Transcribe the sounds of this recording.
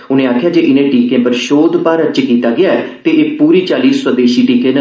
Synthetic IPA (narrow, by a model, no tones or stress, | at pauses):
ʊnẽːaːkʰjaːd͡ʒeːʔɪnẽːʈiːkẽːpəɾʃoːd̪paːɾət͡ʃkiːt̪aːɡɪaːɛːt̪eːʔeːpuːɾiːt͡ʃaːliːswəd̪eːʃiːʈiːkẽːnə